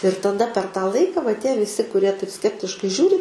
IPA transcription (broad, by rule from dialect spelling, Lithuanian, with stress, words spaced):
ɪr tɐˈdɐ pʲɛr tɑː ˈlˠɐɪkɐ ʋɐ tʲiɛ ʋʲɪˈsʲɪ kʊˈrʲiɛ tɐɪp ˈsʲkʲæːpʲtʲɪʃkɐɪ ˈʒʲuːrʲɪ